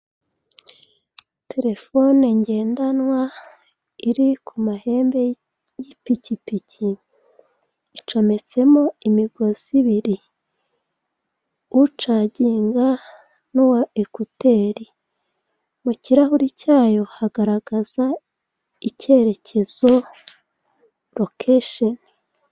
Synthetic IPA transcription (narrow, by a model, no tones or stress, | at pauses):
tʰe̞ɾe̞fo̞neɲɟe̞ːndanwa | iɾikʰumahe̞ːmbe̞ | jipicipicʰi | t͡ʃo̞me̞t͡se̞mo̞imiɡo̞z̥iβiɾi | ut͡ʃaɟiːŋɡa | nuwaekute̞ːɾi | muciɾahuɾicaːjo̞haɡaɾaɡaz̥a | ice̞ɾe̞cʰe̞z̥o̞ | ɾokʰeʃon